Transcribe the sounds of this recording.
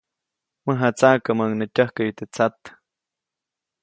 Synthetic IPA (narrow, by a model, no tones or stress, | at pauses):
məɦat͡saʔkəməŋnətʲəhkəjut̪et͡sat̪